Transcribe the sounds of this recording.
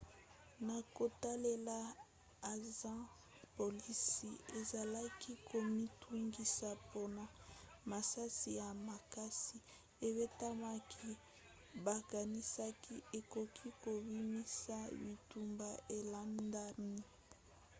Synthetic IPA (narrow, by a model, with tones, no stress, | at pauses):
na˨ko˨ta˦le˦la˦ | a˨zã˦ | po˨li˦si˨e˨za˨la˦ki˦ko˨mi˦tʰu˦ŋɡi˨sa˨po˦na˨ | ma˨sa˦si˨ja˨ma˨ka˦si˦ | e˨βe˦ta˦ma˦kʰi˦ | ba˨ka˨ni˦sa˦ki˦e˨ko˨kʰi˦ko˨bi˦mi˦sa˦bi˨tu˨mba˦˨ʔe˨la˦nda˦ni˦